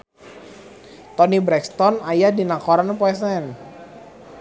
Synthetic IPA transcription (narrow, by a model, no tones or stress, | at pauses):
t̪ɔnibɾɛkst̪ɔnajadinakɔɾanpɔɛs̬ɛn